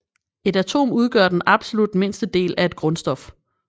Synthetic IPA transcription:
e̝dæt͡sʰo̝̰ːmuð̞ˠɡ̥ɶɐd̥enɑ̈b̥so̝lud̥me̝n̰sd̥əd̥e̝̰ːlʔæe̝d̥̚ɡ̥ʁɔ̽nsd̥ɒ̽f

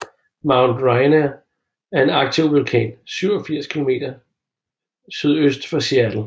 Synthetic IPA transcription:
mäʊnd̥ʁɑ̈ɪnæ | æɐe̝nɑ̈ɡ̥̚t͡sʰiʊʋulkʰɛ̰nsyʊɒfiɐ̰skʰilo̝me̝̰ːd̥ɐ | syð̞̰ˠøsd̥fɑ̈siæd̥l̩

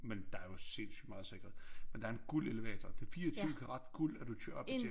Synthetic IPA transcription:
mend̥ɑ̈æɐjo̝se̝nsy̰d̥mɑ̈ð̩ˠse̝ɡ̥ɐð̩ˠmmend̥ɑ̈ɐenɡ̥ul̰e̝ləʋɛ̰ːt͡sʰɐd̥e̝fiːɐt͡sʰyːkʰæʁɑ̈d̥ɡ̥ul̰æd̥ut͡ɕʰøɐ̰ɒ̽bʰe

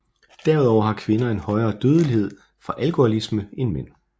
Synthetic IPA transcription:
d̥æɐuð̞ˠɒʊɐhɑ̈kʰʋe̝nɐe̝nhɒ̽ɪɐːd̥øːð̞ˠəlihe̝ð̞̰ˠ | fʁɑ̈ʔælkʰo̝ælisməe̝nmen̰

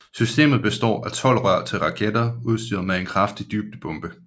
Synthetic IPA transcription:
sysd̥e̝̰ːmð̩ˠb̥e̝sd̥ɒ̰ːæt͡sʰɒ̽l̰ʁɶɐ̰t͡sʰe̝lʁɑ̈kʰed̥ɐuð̞ˠsd̥ḭːð̩ˠmee̝nkʰʁɑ̈fd̥id̥yːb̥̚d̥əb̥ɔ̽mb̥ə

